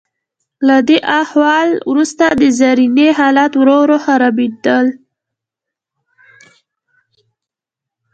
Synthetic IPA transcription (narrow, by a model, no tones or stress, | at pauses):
lad̪eʔahwɑlwɾust̪ad̪əzaɾineɦɑlat̪wɾoɾohaɾabed̪əl